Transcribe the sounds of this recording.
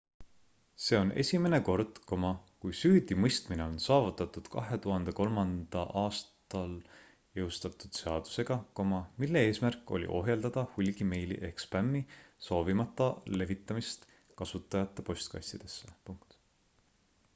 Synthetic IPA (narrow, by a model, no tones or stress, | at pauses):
se̞ːo̞nʔe̞̰sʲime̞ne̞ko̞rd̪̥ko̞mɑkujsyːd̪̥imɤjst̪mine̞o̞nsɑːvut̪ːˑɑt̪ːˑud̪̥kɑɦe̞t̪uɦɑnd̪e̞ko̞lmɑnd̪̥ɑʔɑːst̪ɑl | jewst̪ɑt̪ːˑud̪̥se̞ɑd̪̥u̥se̞ɡ̥ɑko̞mɑmilːe̞e̞ːsmærkːˑo̞̰lʲḭʔo̞̰ɦje̞ld̪̥ɑd̪̥ɑhulʲɡ̥ime̞jlḭʔe̞kspæmːiso̞ːvimɑt̪ˑːɑle̞vit̪ːˑɑmist̪ | kɑsut̪ˑːɑjɑt̪ˑːepo̞sʲt̪kɑ̰sid̪̥e̞sːe̥puŋkt̪